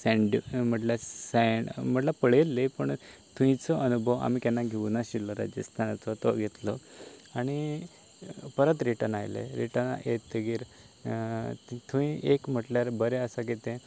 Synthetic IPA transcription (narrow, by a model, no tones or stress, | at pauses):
sɛ̃ɳɖḭm̤əʈlasam̤əʈlapəɭelːepəɳt̪ʰũĩt͡sɔənubʱəʋa̰mikanːaɡʱeʋnaɕilːɔɾa̰d͡ʑə̰st̪ʰant͡sɔt̪ɔɡʱet̪lɔaɽ̃i | pəɾət̪ɾiʈəna̰jlḛɾiʈən̰ʔet̪ːəɡiːɾ | t̪ʰũĩʔekm̤əʈljaɾbəɾeəsaɡet̪ẽ